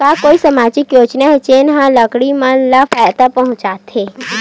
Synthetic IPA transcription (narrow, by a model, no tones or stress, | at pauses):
kakoisəmad͡ʒɪkjod͡ʒnaet͡ʃenɦãləkɽimãlafʰajt̪apəɦʊ̃t͡ʃat̪ʰe